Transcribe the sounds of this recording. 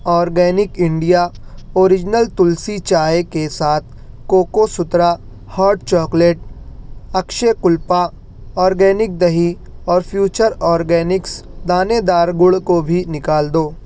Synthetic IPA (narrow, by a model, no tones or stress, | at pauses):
ɔːɾɡɛːnɪkɪ̃ɳɖijaoːɾɪd͡ʒnəlt̪ʊlsit͡ʃaːekesaːt̪̚ʰ | koːkosʊt̪ɾa | hɔːɾʈt͡ʃɔːkleːʈ̚ | ɐkʃekʊlpa | ɔːɾɡɛːnɪk̚d̪ɐɦi | ɔːɾpʰjuːt͡ʃəɾɔːɾɡɛːnɪksd̪aːned̪aːɾɡʊɽkobʱinɪkaːld̪oː